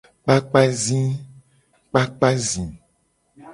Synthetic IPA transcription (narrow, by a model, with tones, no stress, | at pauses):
k͡pa˦k͡pa˦zĩ˦ | k͡pa˦k͡pa˦zĩ˨